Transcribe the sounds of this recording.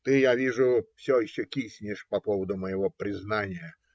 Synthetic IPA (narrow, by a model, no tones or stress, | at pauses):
t̪ɨjavʲiʐʊfsʲɔjɪɕːɔkʲisʲnʲɪʂpɐpovəd̪ʊməjɪvopɾʲɪznanʲɪjə